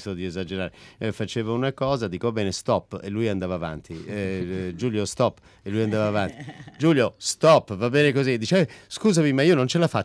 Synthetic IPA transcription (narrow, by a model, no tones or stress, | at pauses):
sod̪iezad͡ʒeɾaːɾefat͡ʃeːvounakɔːzad̪iːkobɛːnest̪ɔpːḛlːujand̪avaːva̰nt̪ʰi | d͡ʒuːljost̪ɔpː | elːujand̪aːvaːvant̪id͡ʒuljost̪ɔpːvabːɛːnekozid̪it͡ʃeskuːzamimaiːonont͡ʃelafa